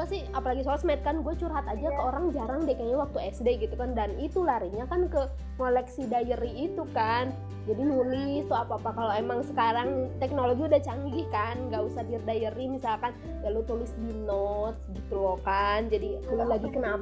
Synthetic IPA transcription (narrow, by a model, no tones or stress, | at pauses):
asɪhapalaɡisolasmait̪̚kanɡuat͡ʃuɾɦat̪ad͡ʒakəoɾaŋd͡ʒaɾaŋdekaɲawak̚t̪uɛsdeɡit̪ukandanit̪ulaɾiɲakankə | ŋolɛksidajəriːt̪ukan | d͡ʒadinulɪst̪uapapakaloemaŋsə̥kaɾaŋt̪ɛk̚noloɡiudaht͡ʃaŋɡikanŋɡausadirdajəɾimisalkan | jalot̪ulɪsdinɔt̪̚sdit̪lokand͡ʒadik̪əlulaɡikənap